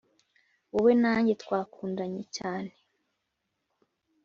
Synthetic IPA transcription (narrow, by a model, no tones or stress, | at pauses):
uβenaːɲɟetkwaːkʰuːndaɲecaːne